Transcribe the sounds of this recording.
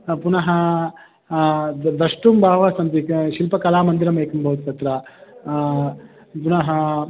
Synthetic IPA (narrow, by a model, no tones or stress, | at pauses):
punɐɦɐ | d̪ɐʂʈumbʱaːʋɐsɐnt̪ikʃilpɐkɐlaːmɐnd̪iɾɐmɐjkɐmbʱɐʋt̪t̪ɐt̪ɾɐ | punɐɦɐ